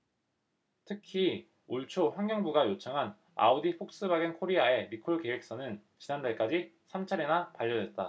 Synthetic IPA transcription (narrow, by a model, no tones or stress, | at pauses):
tʰɯkʰi | uɭt͡ɕʰoɸwaŋɡjʌŋbuɡajot͡ɕʰaŋɦan | a̰odiɸʰok̚s͈ɯbaɡinkʰoɾiae̞mikʰoɭkewek̚s͈ʌnɯnt͡ɕinandaɭk͈ad͡ʑisʰamt͡ɕʰaɾenapaʎːʌdwe̞t̚t͈a